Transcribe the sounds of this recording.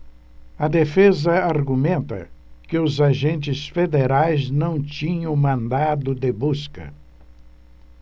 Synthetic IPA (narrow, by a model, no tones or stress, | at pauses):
ɐd̪efezɐaɾɡumẽnt̪ɐ̰kɪʊzaʒẽnt͡ʃɪsfed̪eɾajznɐ̃w̃t͡ʃĩɲɐ̃w̃mɐ̃nd̪ad̪ʊd̪ɪbuskɐ̰